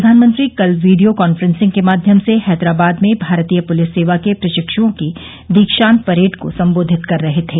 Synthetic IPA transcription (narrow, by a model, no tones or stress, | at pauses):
ɐd̪ʱaːnmə̃nt̪ɾikɐlʋiːɖijokɔːnfɾə̃nsɪ̃ŋɡkemaːd̪ʱjəmsehɛːd̪ɾaːbaːd̪mẽbʱaːɾt̪ijəpʊlɪsːeːʋakepɾɐʃɪkʃõki | d̪ikʃaːnpɐɾeːʈko̰sɐ̃mboːd̪ʱɪt̪kɐɾːɐɦet̪ʰeː